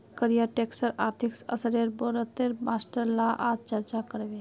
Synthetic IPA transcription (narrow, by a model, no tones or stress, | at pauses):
kəɾijaʈeksəɾaɾt̪ʰiksə̰səɾeɾboɾət̪eɾmasʈəɾlaʔat͡ʃəɾt͡ʃakəɾɡe